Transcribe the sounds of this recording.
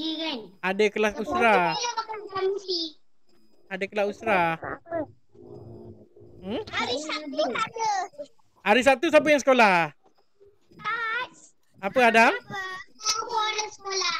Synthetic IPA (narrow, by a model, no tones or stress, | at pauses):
jikanadəkəlahusɾalapakausamusi | adəkəlausɾa | m̩aɾisauadə | aɾis̬ap̚t̪us̬abəjaŋs̬ə̥kolah | as | apəadamapɔləsəkola